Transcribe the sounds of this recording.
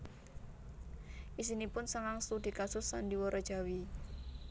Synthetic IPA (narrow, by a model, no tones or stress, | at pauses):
ʔis̬inipʊnsəŋaŋst̪ud̪̥i̤kasʊsːandiwɔɾɔd̥ʒ̥a̤wi